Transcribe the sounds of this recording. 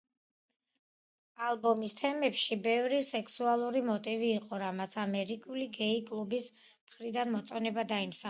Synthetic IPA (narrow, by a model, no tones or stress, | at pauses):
alˠbɔmist̪ʰɛmɛpʃibɛvɾisɛkʰsualˠuɾimɔt̪ʼiviːqʼɔɾamat̪sʰamɛɾikʼuliɡɛikʼlˠubis | mχɾid̪anmɔt̪sʼɔnɛbad̪aimsa